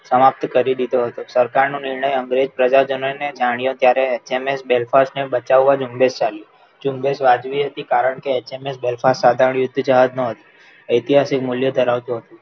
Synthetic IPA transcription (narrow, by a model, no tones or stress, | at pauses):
səmap̚t̪kəɾid̪id̪oɦət̪osəɾkaɾnũnɪɾɳəjəŋɡɾed͡ʒpɾəd͡ʒad͡ʒənoned͡ʒaɽ̃ijõt̪jaɾeet͡ʃemesbelfasnebət͡ʃaʋːʋad͡ʒũmbest͡ʃali | d͡ʒũmbesʋad͡ʒʋiɦət̪ikaɾəɳkeet͡ʃemesbelfassad̪ʱaɾəɳjʊd̪ʱːd͡ʒaɦəd̪nəɦət̪ũ̥ | əjt̪iɦasikmʊljəd̪ʱəɾaʋt̪ũɦət̪ũ